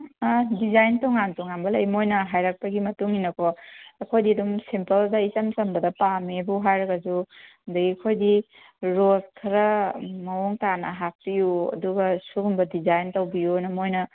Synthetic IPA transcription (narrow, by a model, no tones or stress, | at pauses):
adizajntowŋantɔŋanbɐlɐjmojnɐɦajɾak̚pɐɡimɐtuŋinɐkʰɔɐkʰojdiɐdumsimpɐldɐisɐmsɐmbɐdɐpamebuɦajɾɐɡɐzu | ndɐɡiɐkʰojdi | ɾozkʰɐɾɐmɐuŋtanɐɦak̚pijuɐ̰duɡɐsuɡumbɐdizajntowbijujnɐmojnɐ